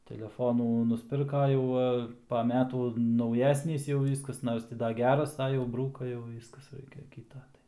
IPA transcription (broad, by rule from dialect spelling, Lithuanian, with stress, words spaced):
tʲɛlʲɛˈfoːnuː nʊsʲˈpʲɪrkɐ ˈjɛʊ ʋɐ pɐ ˈmʲæːtuː nɐʊˈjæːsʲnʲiːs jɛʊ ˈʋʲiːskɐs ˈnoːrs tʲɪ ˈdɐ ˈɡʲæːrɐs ɐ ˈjɛʊ ˈbruːkɐ jɛʊ ˈʋʲiːskɐs ˈrɐɪkʲɛ ˈkʲiːtɐ ˈtɐɪ